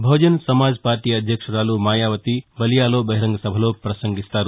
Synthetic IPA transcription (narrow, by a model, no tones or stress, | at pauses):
bʱɐwd͡ʒənsɐmad͡zpaːɾʈiɐd̪ʱjəkʂɐɾaːlumaːjaʋət̪ibɐlijalobɐɦiɾɐŋɡsɐbʱəlopɾɐsəŋɡist̪aːɾu